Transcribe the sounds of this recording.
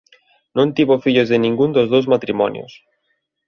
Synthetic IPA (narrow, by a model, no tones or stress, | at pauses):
nõnt̪iβofiʎozðenĩŋɡund̪ozðowzmat̪ɾimɔnjo̰s